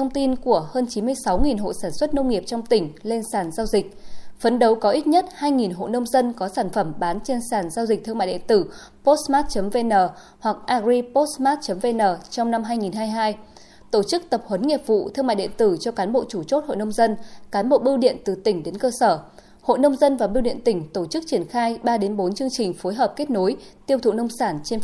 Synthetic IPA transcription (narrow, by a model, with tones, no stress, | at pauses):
t̪ʰə˧wŋ͡mt̪i˧nku˧˩əhəː˧nt͡ɕi˨˦mɨ˧əjsa˨˦wŋi˨˩nɦo̰˧˨saː˧˩nswə˦˥t̚nə˧wŋ͡mŋi˨˩əp̚t͡ɕɔ˧wŋ͡mt̪ï˧˩ŋ̟le˧nsaː˧˩nzaː˧wzï˨˩k̟̚fə˨˦nɗə˨˦wkɔ˨˦ʔi˦˥t̚ɲə˦˥t̚haː˧jŋi˨˩nɦo̰˧˨nə˧wŋ͡mzə˧nkɔ˨˦saː˧˩nfə˧˩mɓaː˨˦nt͡ɕe˧nsaː˧˩nzaː˧wzi˨˩k̚t̪ʰɨ˧əŋma̰˧˨ɗḭ˧˨t̪ɨ˧˩ | po˦˥t̚smaː˦˥t̚t͡ɕə˨˦mve˧nəː˨˩ | hwa˨˩k̚ʔaː˧zi˧po˦˥t̚smaː˦˥t̚t͡ɕə˨˦mve˧nəː˨˩t͡ɕɔ˧wŋ͡mna˧mɦaː˧jŋi˨˩nɦaː˧jɦaː˧j | t̪o˧˩t͡ɕɨ˦˥k̚t̪ə˨˩p̚hwə˨˦nŋi˨˩əp̚vṵ˧˨t̪ʰɨ˧əŋma̰ː˧˨jɗḭ˧˨t̪ɨ˧˩t͡ɕɔ˧kaː˨˦nɓo̰˧˨t͡ɕu˧˩t͡ɕo˦˥t̚ho̰˧˨nə˧wŋ͡mzə˧nkaː˨˦nɓo̰˧˨ɓi˧wɗḭ˧˨ənt̪ɨ˨˩t̪ï˧˩ŋ̟ɗe˨˦nkəː˧səː˧˩ | ho̰˧˨nə˧wŋ͡mzə˧nvaː˨˩ɓi˧wɗḭ˧˨ənt̪ï˧˩ŋ̟t̪o˧˩t͡ɕɨ˦˥k̚t͡ɕi˧˩ənxaː˧jɓaː˧ɗe˨˦nɓo˨˦nt͡ɕɨ˧əŋt͡ɕï˨˩ŋ̟fo˨˦jɦəː˨˩p̚ke˦˥t̚no˨˦jt̪i˧əwt̪ʰṵ˧˨nə˧wŋ͡msaː˧˩nt͡ɕe˧n